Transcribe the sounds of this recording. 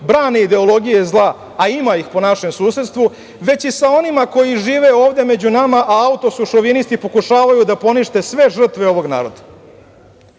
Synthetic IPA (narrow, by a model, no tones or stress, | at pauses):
bɾaːneid̪e̞o̞lˠo̞ɡijezlˠaː | imaixpo̞naʃe̞msuːse̞t̪st̪ʋu | ʋe̞t͡ɕisao̞nimako̞jiʒiːʋe̞o̞ːʋd̪e̞me̞d͡ʑunamaʔaaut̪osuʃoʋinist̪ipo̞kuʃaːʋajud̪apo̞niʃt̪e̞sʋe̞ʐr̩t̪ʋeo̞ʋo̞ɡna̰ːɾo̞d̪a